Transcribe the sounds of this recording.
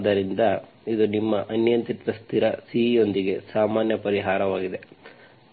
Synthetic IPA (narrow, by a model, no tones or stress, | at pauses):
d̪ɐɾind̪ɐ | id̪unimːɐʔɐnjɐnt̪it̪ʋɐst̪ʰiɾɐsio̞nd̪iɡe̞saːmaːnjɐpɐɾiɦaːɾɐʋaːɡid̪e̞